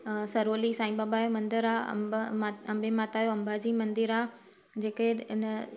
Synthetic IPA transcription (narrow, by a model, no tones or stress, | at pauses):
sɐɾoːlisãːĩbaːbaːjomɐ̃nd̪ɪɾa̰ | ɐ̃mbʱemaːt̪aːjoɐ̃mbʱad͡ʑĩːmɐ̃nd̪ɪɾaː | d͡ʑeːkeɪnə